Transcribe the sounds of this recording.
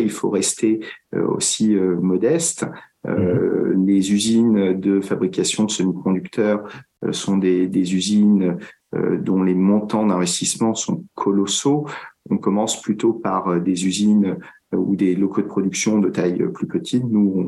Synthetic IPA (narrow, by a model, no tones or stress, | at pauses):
ilfo̰ʁɛst̪ʰeø̰o̰siømɔd̪ɛst̪ | ø̰lezyzind̪əfabʁikʲasjɔ̃d̪əsɔmid̪kɔ̃d̪ykt̪ʰœʁ | ø̰sɔ̃d̪ed̪ezyzinø | ø̰d̪ɔ̃lemɔ̃t̪ɑ̃d̪ɛ̃vɛst̪ismɑ̃sɔ̃kʰɔlɔsoɔ̃kɔmɑ̃splyt̪opaʁød̪ezyzin | ud̪elɔkod̪əpχɔd̪yksjɔ̃d̪ət̪ajø̰plypət̪ʰit̪nuɔ̃